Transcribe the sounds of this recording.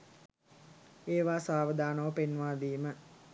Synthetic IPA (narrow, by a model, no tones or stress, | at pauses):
eːʋaːsaːʋəd̪aːnoʋəpenʋaːd̪iːmə